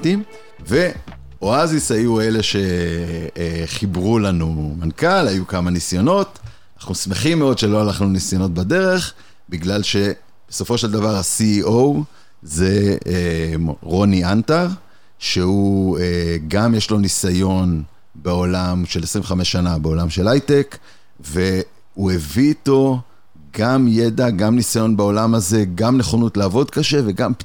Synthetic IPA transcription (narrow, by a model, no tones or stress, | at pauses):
tim | ve̞ | o̞azisajue̞le̞ʃe̞ | eχibʁulanumankalajukamanisjo̞no̞t | naχnusme̞χimːeo̞d̪ʃe̞lo̞alaχnunisjo̞no̞t̪̚bad̪e̞ʁe̞χ | biɡlalʃe̞ | b̥eso̞fo̞ʃeld̪avaʁasiow | ze̞ | ʁo̞niant̪aʁ | ʃe̞ueɡamjeʃlo̞nisajo̞n | beo̞lamʃe̞lesʁĩveχame̞ʃːanabeo̞lamʃe̞lajtek | ve̞ | ue̞viːto̞ | ɡamje̞d̪aɡamnisajo̞nbeo̞lamaze̞ɡamneχonutlaːvo̞dkaʃe̞ve̞ɡamp